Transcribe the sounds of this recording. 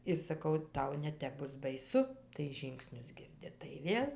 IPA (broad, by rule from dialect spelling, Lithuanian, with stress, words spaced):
ɪr sɐˈkɐʊ ˈtɐʊ nʲɛˈtʲɛp ˈbʊs bɐɪˈsʊ tɐɪ ˈʒʲiːŋksʲnʲʊs ˈɡʲɪrʲdʲɪ tɐɪ ˈʋʲeːlˠ